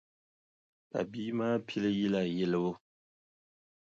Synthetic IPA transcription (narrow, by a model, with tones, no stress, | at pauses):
pa̰˨bi˦maː˦pʰi˦lɨ˦ji˦la˦˨jɛ˦lɨ˦bʊ˦